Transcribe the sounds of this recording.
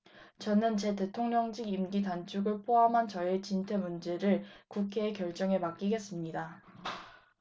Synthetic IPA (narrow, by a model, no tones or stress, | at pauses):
t͡ɕʌnɯnt͡ɕe̞te̞tʰoŋɲʌŋd͡ʑiɡimɡitant͡ɕ͈ʰuɡɯɭpʰoɦamɦant͡ɕʌet͡ɕintʰe̞mund͡ʑe̞ɾɯɭkukʰe̞ːkjʌɭt͡ɕ͈ʌŋɦe̞mak͈iɡe̞s͈ɯmɲida